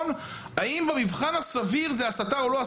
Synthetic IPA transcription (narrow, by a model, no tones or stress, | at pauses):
n | aimbemivχanhasaviʁzeasataʁoloa